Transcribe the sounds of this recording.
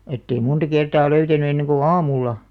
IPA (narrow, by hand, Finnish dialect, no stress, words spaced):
etːei muntɑ kertɑː løytæny enːeŋ ɡ̊u ɑːmulːɑ